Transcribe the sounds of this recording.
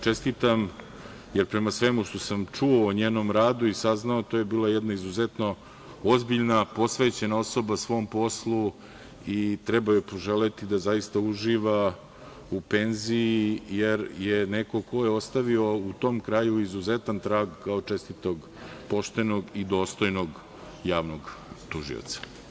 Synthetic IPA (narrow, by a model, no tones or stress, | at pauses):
t͡ʃest̪it̪am | jeɾpɾe̞masʋe̞muʃt̪o̞samt͡ʂuoːɲeːnomɾaːd̪uisaznaot̪oje̞biːlˠajɛd̪naizuzet̪no̞ | ozbiʎnapo̞sʋeːt͡ɕe̞nao̞so̞basʋo̞mpo̞slˠu | it̪ɾɛbajepoʒelet̪id̪azaist̪auʒiːʋa | upe̞nziijeɾjeneko̞kʰo̞jeo̞st̪aʋio̞ut̪o̞mkɾajuizuzet̪ant̪ɾaːɡkːaot͡ʃest̪it̪oɡ | po̞ʃt̪eno̞ɡid̪o̞ːst̪o̞jnoɡ | jaːʋnoɡt̪uʒḭo̰t̪sḁ